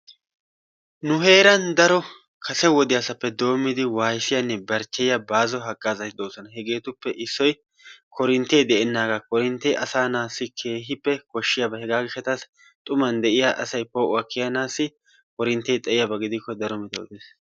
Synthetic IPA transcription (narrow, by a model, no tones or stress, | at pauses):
nʊɦe̞ːɾɐnd̪ɐɾɔ | kʰɐsɛwɔd̪ɪjasɐpːɛd̪o̞ːmːɪd̪ɪwaːjsɪjɐnːɛbɐɾt͡ʃːɛjjɐbaːzɔɦɐkʼːaːzɐt̪ɪd̪o̞ːsɔnɐɦɛɡe̞ːt̪ʊpːɛʔɪsːɔj | kʰɔɾɪnt̪ːejd̪ɛʔɛnːaːɡakɔɾɪnt̪ːɛʔɐsaːnaːsːɪkʰe̞ːɦɪpːɛkɔʃːɪjabɐhɛɡaːɡɪʃɐt̪as | t̪ʼʊmɐnd̪ɛʔɪjaʔɐsɐjpoːʔʊɐkːɪjɐnaːsːɪ | kɔɾɪnt̪ːeːt̪ʼɛʔɪjɐbɐɡɪd̪ɪkːɔd̪ɐɾɔmɪt̪ɛwd̪eːs